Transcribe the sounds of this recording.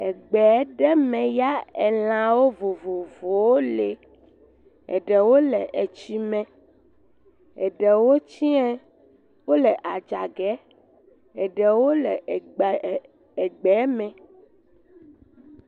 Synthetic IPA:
ɛ˨ɡ͡bɛ˨˦ɖɛ˦mɛ̃˨ja˦ɛ˨lã˨wo˦vo˨vo˨vo˨wo˦le˨ | ɛ̰˨ɖɛ˨wo˦lɛ˨ʔe˨t͡ʃi˦mɛ̃˨ | ɛ˨ɖɛ˨wo˦t͡ɕi˦ɛ̃˦ | wo˦lɛ˨ʔa˨d͡ʒa˨ɡɛ˦ | ɛ˨ɖɛ˨wo˦lɛ˨ʔɡ͡b | ɛ˨ɡ͡bɛ˨˦mɛ̃˨

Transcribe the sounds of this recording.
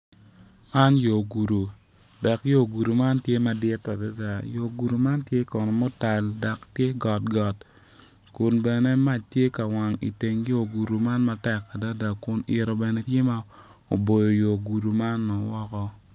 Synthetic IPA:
ma˦njo˨ɡu˨ɾu˨ | da˨kjo˦˨ɡu˨ɾu˨ma˦ntje˦ma˨dɪ˦ta˨da˦da˨jo˨ɡu˨ɾu˨ma˦ntje˦kɔ˨nɔ˨mɔ˦ta˨lda˨ktje˦ɡɔ˨t̚ɡɔ˨t | kʊ˨nbɛ˨ne˦ma˦˨t͡ʃtje˦ka˨wa˨ŋḭ˨te˨ŋjo˦˨ɡu˨ɾu˨ma˦nma˦tɛ˦˨kːa˨da˦da˨kʊ˦nɪ̰˨ɾo˨bɛ˨ne˦tje˦ma˦ | o˨bo˨jo˨jo˨ɡu˨ɾu˨ma˦nːɔ˨wɔ˦kɔ˦

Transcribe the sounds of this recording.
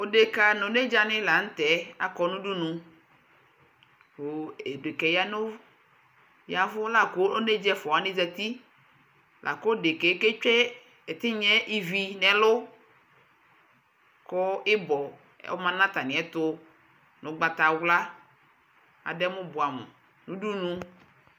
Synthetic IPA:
o˦ɖe˨ka˨nõ˨ne˦d͡ʒa˦nɪ̃˦la˨ŋ̩˦t̪ɛ˨˦a˨kɔ˨nũ˦ɖu˦nũ˨ | wo˨e˨de˨kɛ˨ja˦nõ˦ | ja˨vʊ˦la˦ko˦o˦ne˦d͡ʒɛ˦fɔ˨a˨˦nɪ̃˦zɛ˨t̪i˦ | lʔa̰˨ko˦ɖe˨ke˨˦ke˦t͡ʃɛ˦ | e˨t̪ɪ˦ɲɛ˦ʔi˦vi˨nɛ̃˨lʊ˦ | ko˦ɪ˦bɔ̰˨˦ | o̰˦mã˦nã˦t̪a˨nɪ̃˨ɛ˨˦t̪ʊ˦ | nõ˨˦ɡ͡ba˨t̪a˨wla˦ | a̰˨dɛ˦mʊ̃˦bo˨a˨mḛ˨ | nũ˦du˦nũ˨˦

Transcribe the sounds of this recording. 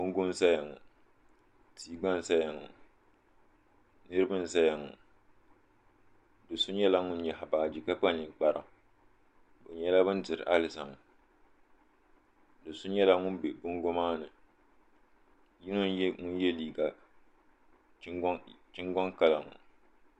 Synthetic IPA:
bʊ˦ŋ˦ɡʊ˦n˦sa˦ja˨ŋʊ̰˨ | tʰiː˦ɡ͡ba˦n˨sa˦ja˨ŋʊ̰˨ | nɨ˦ɾɨ˦bɨ˦n˨sa˦ja˨ŋʊ̰˨ | dɨ˨sʊ˦ɲɛ˦la˦ŋʊ˦n˦ɲɛ˨ha˨baː˨d͡ʒi˨ka˦k͡pa˦ni˨k͡pa˦ɾɨ̰˨ŋ | bʊ˨ɲɛ˦la˦bɨ˦ndɨ˨ɾɨ̰˨ʔa˦lɪ˨sa˨m˨ | dɨ˨sʊ˦ɲɛ˦la˦ŋʊ˦nbe˨bʊ˦ŋɡʊ˦maː˦nɨ˨ | ji˦nʊ˦n˦ŋʊ˦n˦jɛ˦liː˨ɡa˨˦ | t͡ʃɪ˦ŋɡɔ˦ŋka˦la˨ŋʊ̰˨

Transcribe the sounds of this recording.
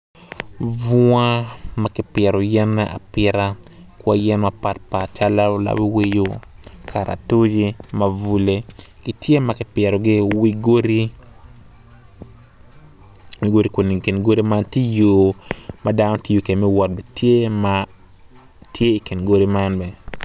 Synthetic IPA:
vʊ˦a˦makɪ˦pjɛ˨ɾo˨jɛ˦nːɛʔa̰˨pɪɾa˦ | kwa˦jɛ˦nmapa˨t̚pa˨t͡ʃa˦la˦la̰˦wi˦wi˦jo˦kʰa˨ɾa̰˨tu˦d͡ʒi˦mavu˦le˦kɪ˦tje˦ma˦kɪ˦pjɛ˨ɾo˨ɡɪ˦wi˦ɡo˦ɾi˦ | wi˦ɡo˦ɾi˦ko˨ni˨ki˨nɡo˦ɾi˦ma˦nti˦jo˨mada˦no˦ti˦jo˨ke˨mɛ˦wɔ˨t̚bɛ˨tje˦ma | tʰje˦i˨ki˨nɡo˦ɾi˦ma˦nbɛ˨

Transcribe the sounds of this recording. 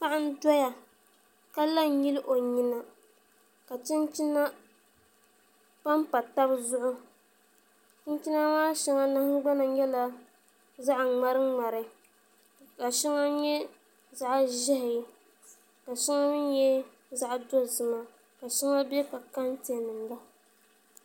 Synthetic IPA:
pa˦ʔɪ˦n˦dɔ˦ja˨ | ka˦la˦ji˦lʔo˨ɲi˦na˦ | ka˨t͡ʃɪ˦n˦t͡ʃi˦na˦ | pa˦m˦pa˨ta˦bzʊ˦ʔʊ˦ | t͡ʃɪ˦n˦t͡ʃi˦na˦maː˦ʃɛ˦ŋa˦na˦hɡ͡ba˦na˨ɲɛ˦la˦ | za˦ʔŋ͡ma˦ɾɨ˦ŋ͡ma˨ɾɨ˨ | ka˨ʃɛ˦ŋa˦ɲɛ˦ | za˨ʔʒɛ˦hɪ˨j | ka˨ʃɛ˦ŋa˦nɨ˦n˦jɛ˦ | za˨ʔdo˦zɨ˨ma˦ | ka˨ʃɛ˦ŋa˦bɛ˦ka˨ka˦n˦te˨nɨ˨m˨ba˦

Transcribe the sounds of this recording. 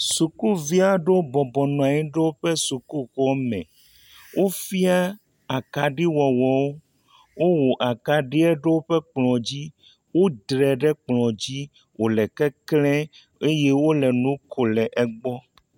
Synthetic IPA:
su˨ku˦vi˦a˦ɖe˦o˦bɔ˨bɔ˨nɔ̃˨a˨ɲĩ˦ɖɛ˦wo˦ɸɛ˦su˨ku˦kɔ˦mɛ̰̃˨ | wʔo˦fi˦a˦ | a˨ka˨ɖi˦wɔ˨wɔ˨wo˦ | wo˦wo˨ʔa˨ka˨ɖi˦ɛ˦ɖe˦wo˦ɸɛ˦k͡plɔ̃˨d͡ʑi˦ | wo˦d̪ɾɛ˨ɖɛ˦k͡plɔ̃˨d͡ʑi˦ | wʔo˨lɛ˨kɛ˦klɛ̃˦ | e˦je˦wo˦lɛ˨nũ˦kʰo˨lɛ˨ʔɛ˦ɡ͡bɔ˦

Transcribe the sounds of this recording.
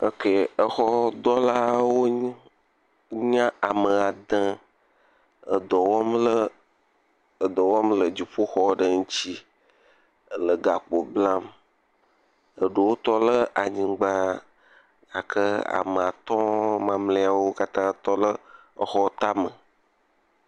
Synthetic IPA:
ə˦ke˨ə˦xɔ˦d̪ɔ˦la˦wo˦ | ɲã˦a˨mə˨a˨d̪ã˦ | ə˨d̪ɔ˨wɔ˦mlə˦ | ə˨d̪ɔ˨wɔ˦mlə˨d͡ʑi˨ɸo˦xɔ˦ɖə˨ŋũ˦t͡ɕi˦ | ə˨lə˨ɡa˨k͡po˨blã˦m | ə˨ɖo˨wo˦t̪ɔ˦lə˦ʔa˨ɲĩ˨ɡ͡ba˦ | a˨kʰə˦a̰˨mə˨a˨t̪ɔ̃˦mã˨mlẽ˦a˨wo˦ka˦t̪ã˦t̪ɔ˦lə˦ə˨xɔ˦t̪a˦mə˨

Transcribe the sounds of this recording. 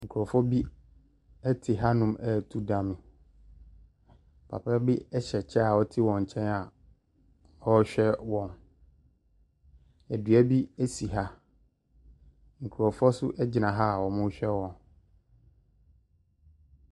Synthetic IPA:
ŋ̩˨kʰu˨ɔ˨fɔ˦bi˦ | ɛ˦tʰɪ˨ɦa˦nʊ̃˦mæ˨tʰu˦dã˨mɪ̃˨ | pʰa̰˨pʰa˦bɪ˦ɛ˦ɕɛ˨t͡ɕʰɛ˦a˨wɔ˦tʰɪ˦wɔ̃˨ɲ̩˨t͡ɕʰɛ̃˦na˨ | ɔ˦ɕᶣɛ˦wɔ̃˨n | æ˨dɥæ˦bi˦æ˦si˨ɦa˦ | ŋ̩˨kʰu˨ɾɔ˨fɔ˦sʊ˦ʔɛ˦d͡ʑɪ˨nã˨ɦa˦˨wɔ˨mʊ̃˦ɕᶣɛ˦wɔ̃˨n

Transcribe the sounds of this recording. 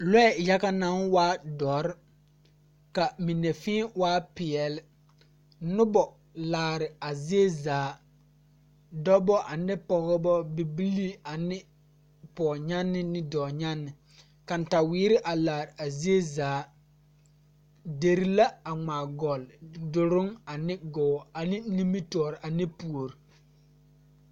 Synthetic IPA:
lɔ˦ɛ˨ja˦ka˦na˦nwaː˦dɔː˨˦ɾɪ˦ | ka˨mi˨ne˨fɪ̃ː˦waː˦pɪ˨ɛ˨lɪ˦ | nʊ˦bɔ˨ | laː˨ɾɪ˨a˨zi˦e˦zaː˨˦ | dɔ˦bɔ˦ʔa˨nɪ˦pɔ˨ɣɔ˦bɔ˦bi˨bi˦li˦a˨nɪ˦ | pɔː˨ɲa˦nːɪ˦nɪ˦dɔː˨ɲa˦nːɪ˨ | ka˨n˨ta˨wiː˦ɾɪ˦ʔa˨laː˨ɾɪ˨ʔa˨zi˦e˦zaː˨˦ | de˨ɾi˦la˦a˨ŋ͡maː˨ɡɔ˨ldʊ˨ɾʊ˦ŋa˨nɪ˦ɡɔ˨a˨nɪ˦ni˦mi˦tɔː˨ɾɪ˨ʔa˨nɪ˦pu˨o˨ɾi˨

